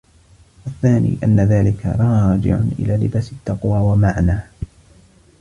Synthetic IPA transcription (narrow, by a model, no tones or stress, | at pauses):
ʔaθːaːnḭːʔa̰nːaðaːlɪkʰa̰ɾˤɑɑːd͡ʒɪ̰ʕʊ̰nʔɪ̰laːlɪbaːsɪt̪ːɑqwaːwamaʕnaː